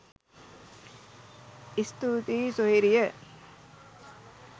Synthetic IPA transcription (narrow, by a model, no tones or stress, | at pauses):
ist̪uːt̪iːsoɦiɾijə